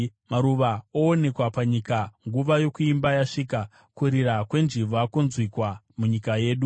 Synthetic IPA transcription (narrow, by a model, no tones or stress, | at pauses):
maɾuʋaoːne̞kwapaɲikaŋɡuʋajo̞kuimbajaʂiːka | kuɾirakwe̞nd͡ʒiʋakonzwikwa | muɲikaje̞ːɗu